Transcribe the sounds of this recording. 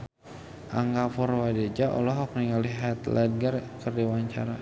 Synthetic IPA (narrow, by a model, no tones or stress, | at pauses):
ʔa̰ŋɡafɔɾwaded͡ʒaʔɔ̰lɔɦɔk̚niŋaliɦat̪lʔad̚ɡərkərdiwaɲt͡ʃa̰ɾa